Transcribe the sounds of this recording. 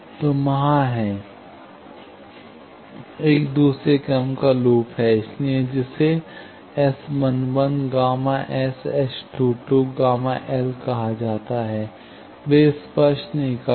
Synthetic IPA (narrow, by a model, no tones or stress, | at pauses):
t̪oːmɐɦãɦɛː | eːkd̪uːsɾekɛmkaloːpɦɛɪslied͡ʒɪse | ɛsmənʋənɡaːmãʔɛːsɛsʈuːʈuɡaːmaʔɛːlkɐɦad͡ʒaːt̪aɦɛː | ʋespəʃʈnɐɦĩkə